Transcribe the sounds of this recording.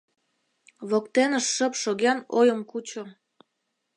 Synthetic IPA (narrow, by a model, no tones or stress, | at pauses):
βokt̪enəʃːəpʃoɣɑnojəmkut͡ɕo